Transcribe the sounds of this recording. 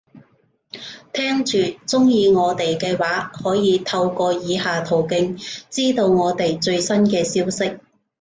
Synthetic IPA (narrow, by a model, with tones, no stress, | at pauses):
t̪ʰɛː˥ŋt͡ʃyː˨t͡sʊ˥ŋjiː˨˧ŋɔː˨˧t̪e˨jkɛː˧waː˨˥hɔː˨˥jiː˨˧t̪ʰɐ˧wkɔː˧jiː˨˧haː˨t̪ʰo˨˩wkɪ˧ŋt͡siː˥t̪o˧wŋɔː˨˧t̪e˨jt͡ʃɵ˧ɥsɐ˥nkɛː˧siː˥wsɪ˥k̚